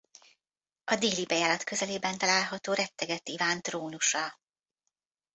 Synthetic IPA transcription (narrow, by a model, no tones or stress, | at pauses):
ɒd̪iːlibɛjaːlɒt̪kø̞zɛleːbɛnt̪ɒlaːlɦɒt̪oːɾɛt̪ːɛɡɛt̪ːivaːnt̪roːnuʃɒ